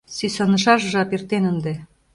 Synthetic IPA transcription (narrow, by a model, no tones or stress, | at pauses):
sysɑnɤ̆ʃɑʃʒɑpert̪enə̆nd̪ĕ